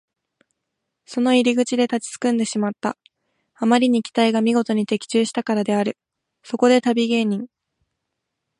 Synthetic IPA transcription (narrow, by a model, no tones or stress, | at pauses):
so̞no̞iɾʲiɡɯ̟t͡ɕid̪e̞t̪at͡ɕi̥t͡sɨ̥kɯ̟̃nd̪e̞ɕimat̪ːa̰ | amaɾʲiɲ̟ikʲi̥t̪aiɡamʲiɡo̞t̪o̞ɲ̟it̪e̞kʲi̥t͡ɕɨːɕi̥t̪akaɾad̪e̞aɾɯ̟ | so̞ko̞d̪e̞t̪abʲiɡe̞ːɲ̟ĩŋ